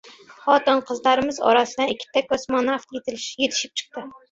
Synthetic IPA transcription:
χɑːt̪ɨnqʰəzlˠɑɾɨmɨzɑ̰ɾɑsɨd̪ɛnikʲʰːi̥t̪ʰɛkʲːɔsmɑnːɑft̪jet̪ɪlʃjet̪ʰɪ̥ʃi̥p̚t͡ʃʰə̥q̚t̪ɨ

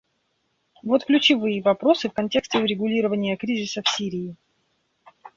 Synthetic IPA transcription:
vo̞t̪klʲʉt͡ɕɪvɨjəvɐpɾo̞sɨfkɐnʲtʲe̞ksʲtʲɪʊɾʲɪɡʊlʲiɾəvənʲɪjəkɾʲizʲɪsəfsʲiɾʲɪː

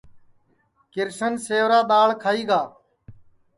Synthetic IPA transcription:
kɪɾʃənseːʋɾaːɗ̪aːɭkʰaːiːɡaː

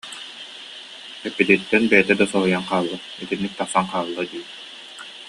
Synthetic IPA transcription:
ɛpːid̪it̪ːɛnbɛjɛt̪ɛd̪asɔɦujanqaːlˠːa | it̪inːik̚t̪aχsanqaːlˠːad̪iː

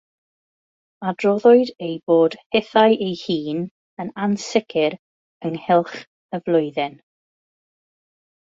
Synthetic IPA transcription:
adrɔðɔɨdejb̥oːd̥hɛθajʔejhiːn | ənansɪkʰɪɾ | əŋhɪlˠχ | əvlˠʊɨðɛn

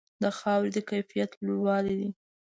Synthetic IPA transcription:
d̪əxɑwɾed̪əkajfijat̪luɾwɑlid̪i

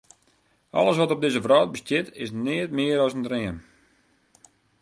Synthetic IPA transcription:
ʔɔ̰ləs̬ʋɔtɔb̚dɪzəvrɔːt̚bəstjɪtɪsnɪətmɪəɾɔsəndrɪən

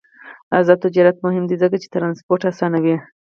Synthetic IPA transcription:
azɑd̪̚t̪ɪd͡ʒɑɾat̪mʊɦɪmd̪izəkat͡ʃe̥t̪ɾɑnspoɾʈasɑnawi

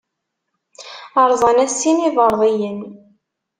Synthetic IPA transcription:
əɾˤðˤɑnæsiniðəɾˤðˤijən

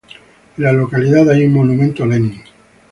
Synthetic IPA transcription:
lalokaliðaðajuŋmonumẽnt̪oleni

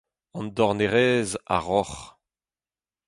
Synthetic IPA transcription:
ɑ̃nd̪ɔʁneʁɛːza̰ʁɔχ

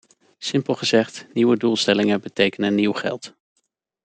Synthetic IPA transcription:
sɪmpəlˠχəzɛχtniwədulˠstɛlɪŋəbətejkənənːiwχɛ̰lˠt

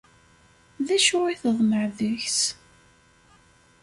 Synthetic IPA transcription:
ðæʃʊiθəðˤməʕðəçs

